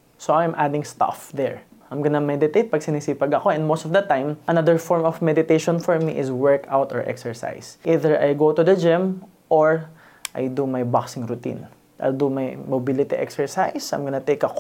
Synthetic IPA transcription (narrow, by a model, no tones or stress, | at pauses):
soʔajmʔad̪ɪ̃ŋst̪ɐ̰fd̪ɛ̰ɹ | ʔɐjmɡɐnamɛd̪ɪt̪ejt̪̚pɐɡ̚sɪnisiːpɐɡɐko̞ɛ̃nd̪mowst̪ɔfd̪ɐt̪ãjmʔɐnɐd̪əɹfɔɹmɔfmɛd̪ɪt̪ejʃɔ̃nfɔɹmiʔɪswɛɹkawt̪ɔ̰ɹʔɛ̰ksɛɹsa̰jsʔiðɛɹʔa̰jɡowt̪ʊd̪ɐd͡ʒɪ̃m | ʔɔɹ | ʔajd̪umajbaksɪ̃ŋɾʊt̪ḭ̃n | d̪ajld̪umɐjmobilɪt̪iʔɛ̰ksɛɹsajsɐ̰mɡɐnat̪ejkɐko